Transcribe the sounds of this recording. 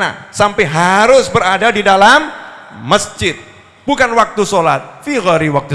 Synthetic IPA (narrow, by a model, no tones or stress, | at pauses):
na̰sampɛɦaɾʊsbəɾadadidalamː | əsd͡ʒɪt̪̚ | bukanwak̚t̪usolat̪̚fiɣaɾiwak̚t̪u